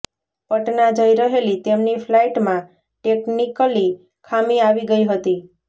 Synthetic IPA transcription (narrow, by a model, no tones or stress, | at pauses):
pəʈnad͡ʒəjɾəɦelit̪emnifʰlaiʈmã | ʈeknikəli | kʰamiaʋiɡəiɦət̪i